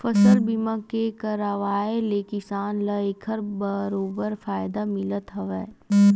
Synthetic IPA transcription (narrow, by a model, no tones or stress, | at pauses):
fɐsəlbimakekɐɾəʋaːelekɪsaːnləeːkʰəɾbəɾoːbəɾfaːɪd̪amɪlət̪ɦɐʋeː